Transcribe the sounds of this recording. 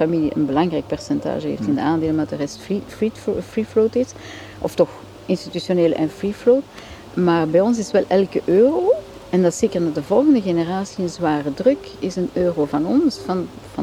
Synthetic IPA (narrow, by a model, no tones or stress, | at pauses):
familiʔə̰nbəlɑŋrɛjk̚pɛrsɛnta̰ːʒəɦḛːftɪndəaːndeːləndɑtdərɛstfifritfriflowtɪs | ʔɔ̰ftɔx | ɪnstitysjoneːlə̰ʔɛnfrifloːt | maːrbɛjɔns̬ɪsʋɛlʔɛlˠkəʔøːroː | ɛndɑtseːkərnadəvɔlˠɣəndəɣenəraːsiənzwaːrədrɵkɪsənøːrovɑnɔnsfɑn | vɑ